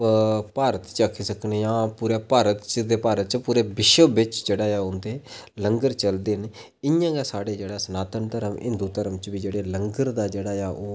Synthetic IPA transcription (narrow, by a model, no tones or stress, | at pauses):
paːɾət̪t͡ʃəkʰːiːsəknejãːpuːɾeːpaːɾət̪t͡ʃd̪eːpaːɾət̪̚t͡ʃpuːɾeːbɪʃəbɪt͡ʃd͡ʒeːɽaːjaːʊnd̪eːləŋɡəɾt͡ʃəld̪eːne | ɪjãːɡeːsaːɽeːd͡ʒeːɽaːsənaːt̪ənt̪əɾəmɦɪ̰̃nd̪uːt̪əɾəmt͡ʃbiːd͡ʒeːɽeːləŋɡəɾd̪aːd͡ʒeːɽaːjaːʔoː